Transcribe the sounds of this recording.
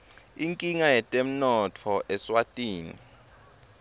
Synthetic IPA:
iŋkʼiŋajɛtʼem̩nɔtʰɔʔɛswatʼiːnḭ

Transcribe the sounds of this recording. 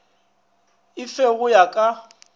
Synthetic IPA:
ɪfeɣʊjakʼa

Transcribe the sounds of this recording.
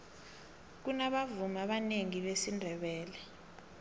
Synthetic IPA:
k̬unaɓavumaɓaneŋiɓesindʱɛɓɛːlɛ

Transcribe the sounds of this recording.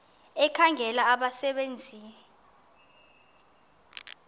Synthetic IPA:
ɛkʰaŋʱɛlaːɓasɛɓend͡zʱiːn

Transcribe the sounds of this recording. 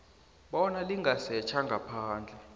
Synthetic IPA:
ɓɔnaliŋɡʱasɛt͡ʃʰaŋɡʱapʰaːnd͡ɮʱɛ

